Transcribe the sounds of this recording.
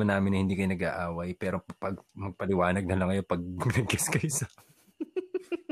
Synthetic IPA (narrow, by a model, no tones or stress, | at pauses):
ɐnaːmɪnɐhɪnd̪iːkɐjnɐɡa̰ːʔaːwɐjpɛːɾo̞pɐɡmɐɡ̚pɐlɪwaːnɐɡ̚nɐlɐŋːɐjopɐɡ̚nɐɡ̚ɛskɐjsɐ